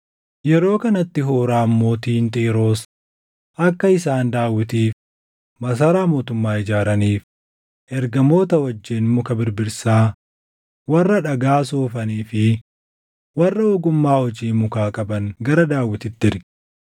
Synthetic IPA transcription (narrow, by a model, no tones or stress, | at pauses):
jɛɾo̞ːkɐnɐt̪ːɪɦoːɾaːmːoːt̪iːnt̪ʼiːɾo̞ːs | ʔɐkːɐɪsaːnd̪aːwɪt̪iːf | mɐs̬aːɾaːmo̞ːt̪ʊmːaːɪd͡ʒaːɾɐniːf | ʔɛɾɡɐmo̞ːt̪ɐwɐd͡ʒːeːnmʊkɐbɪɾbɪɾsaː | wɐrːɐᶑɐɡaːsoːfɐniːfɪ | wɐrːɐwɔɡʊmːaːhɔd͡ʒiːmʊkaːkʼɐbɐŋɡɐɾɐd̪aːwːɪt̪ɪt̪ːɪɾɡ